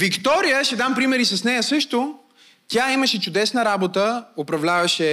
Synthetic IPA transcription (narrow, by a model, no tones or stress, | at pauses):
vikt̪ɔɾijəʃɛd̪ampɾimɛɾisɐsnɛjəsɤʃt̪o | t̪ʲaiməʃɛt͡ʃʊd̪ɛsnəɾabot̪əopɾɐvlʲavɐʃɛ